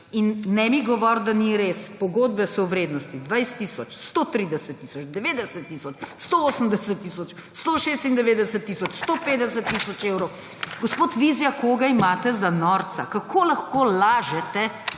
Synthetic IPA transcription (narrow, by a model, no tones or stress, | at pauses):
inːɛmiɡɔʋɔɾd̪aniɾespɔɡoːd̪bɛsɔwʋɾeːd̪nɔst̪id̪ʋɛjst̪ːiːsɔt͡ʃst̪ot̪ɾiːd̪ɛsɛt̪ːiːsɔt͡ʃd̪ɛʋeːd̪ɛsət̪ːiːsɔt͡ʃst̪ooːsəmd̪ɛsət̪ːiːsɔt͡ʃ | st̪oʃeːst̪ind̪ɛʋeːd̪ɛsət̪ːiːsɔt͡ʃst̪opeːd̪ɛsət̪ːisɔt͡ʃewɾɔw | ɡɔspoːt̪ʋizjakoːɡaimaːt̪ɛzanɔːɾt̪sa̰kakʰoːlɐxkolaːʒɛt̪ɛ